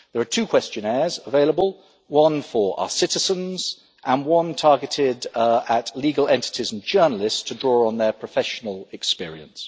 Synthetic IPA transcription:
ðəɹətʰʉːkʰwɛst͡ʃə̃nɛːzəveɪləbəlˠ | wʌ̃nfəɹa̰ʊəsɪtɪzə̃nz̥ | ʔə̃nwʌ̃ntʰɑːɡɪtʰɪdətʰliːɡəlɛ̰̃ntɪ̥tʰɪzə̃n̩d͡ʒɜːnəlɪststʰədɹɔːɹə̃nðəpʰɹ̥əfɛʃənəlˠɪkspɪəɹḭə̰̃ns

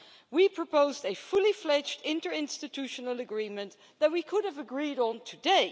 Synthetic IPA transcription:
wipʰɹ̥əpoʊzdɨfʊlˠiflɛd͡ʒdɪ̃ntə˞ɪ̃nstɨtʰʉʃənəlˠəɡɹĩmɨ̃n | ðət̚wikʰʊɾəvəɡɹiɾn̩tʰɨdeɪ

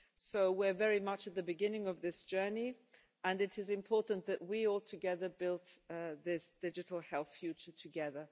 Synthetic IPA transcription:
soʊwɪɹvɛɹimʌt͡ʃɨt̪̚ðɨbɨɡɪ̃nɪ̃ŋʌvðɪsd̥ʒ̥ɜ˞ni | ə̃nɨɾɨzɨ̃mpʰɔɹʔn̩ðɨʔ̚wiɔlˠtʰɨɡɛðəbɪlˠtðɪsd̥ɪd͡ʒɨɾl̩ˠhɛlˠθfjʉt͡ʃə˞tʰɨɡɛðə˞

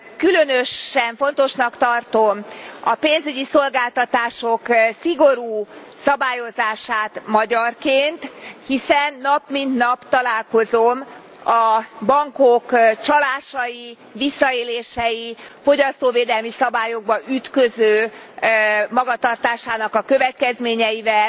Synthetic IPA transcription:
kylønøʃɛɱfo̞n̪t̪o̞ʃnɒkt̪ɒrt̪omɒpeːnzyɟiso̞lɡaːlt̪ɒt̪aːʃoksiɡo̞ɾuː | sɒbaːjo̞zaːʃaːt̪mɒɟɒrkeːnt̪hisɛnːɒpmint̪nɒpt̪ɒlaːlko̞zom | ɒbɒŋkokt͡ʃɒlaːʃɒji | visːɒeːleːʃɛjifo̞ɟɒst̪oːveːd̪ɛlmisɒbaːjo̞ɡ̚bɒʔyt̪køzøː | mɒɡɒt̪ɒrt̪aːʃaːnɒkɒkø̞vɛt̪kɛzmeːɲɛjivɛl

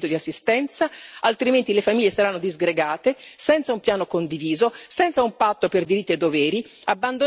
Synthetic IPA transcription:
t̪od̪iasːist̪ɛnt̪saalt̪ɾiment̪ilefamiʎːesaɾanːod̪izɡɾeɡaːt̪esɛnt̪saumpjaːnokond̪iviːzosɛnt̪saumpat̪ːoperd̪iɾit̪ːied̪ːovɛːɾi | abːand̪o

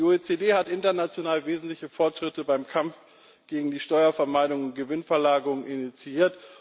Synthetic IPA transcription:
ioet͡sedeːhatʔɪntɐnat͡sjonaːlveːzn̩tlɪçəfɔɐtʃʁ̥ɪtəbaɪmkʰamf | ɡ̥eːɡŋ̩diːʃtɔʏɐfɛɐmaɪɾʊŋʊnt̚ɡ̥əvɪnfɛɐlaːɡəʁʊŋʔɪnit͡siiːɐt

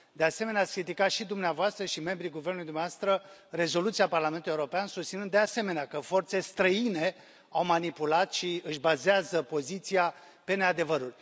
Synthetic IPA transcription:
d̪e̞ase̞me̞neat̪sʲkɾit̪ikat̪ʃid̪umneavoast̪ɾəʃime̞mbɾijɡuvernuluid̪umnʲavast̪ɾəre̞zo̞lut̪siaparlame̞nt̪ulujeuɾo̞peansust̪sinɨnd̪ease̞me̞neakəfo̞rt̪se̞st̪ɾəine̞ | awmanipulat̪ʃiɨʃbazeazəpo̞zit̪sia | pe̞ne̞ad̪e̞vəɾurʲ

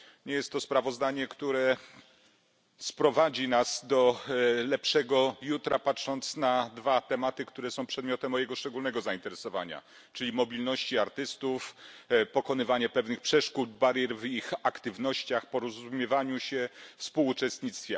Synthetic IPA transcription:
ɲɛjɛst̪ːɔspɾavɔzd̪aɲɛkt̪uɾɛ | spɾɔvad͡ʑinasd̪ɔlɛpʂɛɡɔjut̪ɾapatʂɔnt̪snad̪vat̪ɛmat̪ɘkt̪uɾɛsɔ̃w̃pʂɛd̪mʲɔt̪ɛmːɔjɛɡɔʂt͡ʂɛɡulnɛɡɔzaint̪ɛɾɛsɔva̰ɲa̰ | t͡ʂɘlʲimɔbʲilnɔɕt͡ɕiaɾt̪ɘst̪ufpɔkɔnɘvaɲɛpɛvnɘxpʂɛʂkut̪baɾjɛɾvixakt̪ɘvnɔɕt͡ɕaxpɔɾɔzumʲjɛvaɲuɕɛfspuwːt͡ʂɛst̪ɲit̪st̪fʲjɛ

